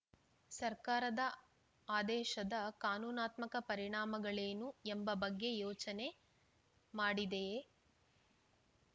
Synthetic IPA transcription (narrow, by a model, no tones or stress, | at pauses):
sɐɾkaːɾɐd̪ɐ | aːd̪ɛːʃɐd̪ɐkaːnuːnaːt̪mɐkɐpɐɾiɳaːmɐɡɐɭeːnuembɐbɐɡːe̞joːt͡ʃɐne̞ | maːɽid̪e